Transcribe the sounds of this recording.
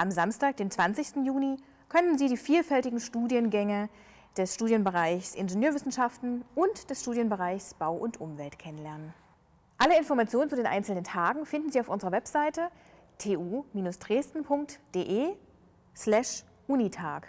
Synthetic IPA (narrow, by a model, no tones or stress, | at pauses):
ʔamzamstaːk̚d̥eːmt͡sv̥ant͡sɪçstn̩juːni | kʰœnənziːdiːfiːlfɛltɪɡŋ̩ʃtuːdiənɡɛŋə | d̥ɛsʃtuːdjənbəʁaɪçsʔɪnʒənøːɐvɪsn̩ʃaftn̩ʔʊntd̥ɛsʃtuːdjənbəʁaɪçsb̥aʊʔʊntʔʊmvɛltkʰɛnənlɛɐnən | ʔaləɪnfɔɐʁmat͡sjoːnənt͡sudeːnʔa̰ɪnt͡sl̩nəntʰaːɡŋ̩fɪndn̩ziːaʊfʔʊnzəʁɐvɛpz̥aɪtə | tʰeːʔuːmiːnʊsd̥ʁeːstn̩pʰʊŋk̚td̥eːʔeː | slɛʃ | ʔunitʰa̰ːk